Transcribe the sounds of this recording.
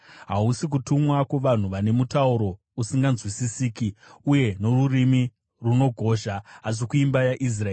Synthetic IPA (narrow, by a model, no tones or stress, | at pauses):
ɦausik̬utumwakweʋan̤uʋane̞mutauɾo̞ | usiŋɡanzwisisiːkiuje̞no̞rurimi | runo̞ɡʱo̞ʒaːʐikuimbajaʔis̬raeː